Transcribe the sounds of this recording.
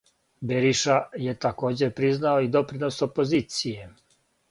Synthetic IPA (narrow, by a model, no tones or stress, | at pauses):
beɾiʃaje̞t̪ako̞ːd͡ʑe̞pɾiznao̞id̪o̞pɾino̞so̞po̞ziːt̪sije